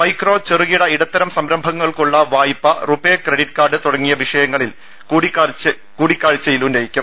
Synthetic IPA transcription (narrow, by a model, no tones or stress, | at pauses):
mɐjkro̞ːt͡ɕeruɣiɽɐiɽɐt̪ːɐɾɐmsɐmɾɐmbʱɐŋːɐɭkuɭːɐʋaːjipːɐrubeːkreɽiʈkaːrɖɨt̪uɽɐŋːijɐʋiʂɐjɐŋːɐɭil | kːɽikː | kuːɽikʲːaːɻt͡ɕːɐjilundejikʲːum